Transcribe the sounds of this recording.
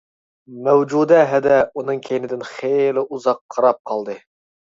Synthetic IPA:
mɛwd͡ʒud̪ɛɦɛd̪ɛunɨŋkʲʰejnɪd̪ɪnχelɪʔuzɑqʰːɑɾɑp̚qʰɑlˠd̪ɨ

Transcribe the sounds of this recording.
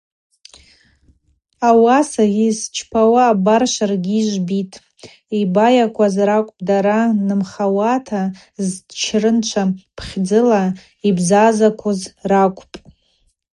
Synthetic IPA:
awasaʁist͡ʃʰpʰawaːbarʃʷarɡʲiːʒʷbitʼ | ibajakʷʰazrakʷʼpʼdaɾanɨmχawatʰa | zt͡ʃʰrɨnt͡ʃʷʰapʰχʲd͡zɨla | ibzazakʷʰozrakʷʼpʼ

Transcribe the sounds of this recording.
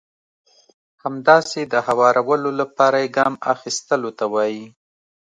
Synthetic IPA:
hamd̪ɑsed̪əhawɑɾawəlolapɑɾajeɡɑma̰xist̪əlot̪awɑji

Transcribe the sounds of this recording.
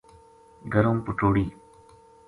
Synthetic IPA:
ɡəɾõːmpʊʈoːɽiː

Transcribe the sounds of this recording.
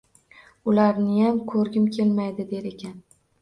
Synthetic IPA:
ʊlaɾnɪjamkʰɵɾɡʲɪmkʲʰe̞lmajd̪ɪd̪e̞ɾe̞kʲʰan

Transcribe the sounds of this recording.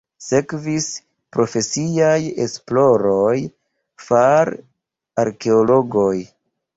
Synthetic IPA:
se̞kvis | pɾo̞fe̞siajḛsplo̞ɾo̞j | faɾ | aɾke̞olo̞ɡo̞j

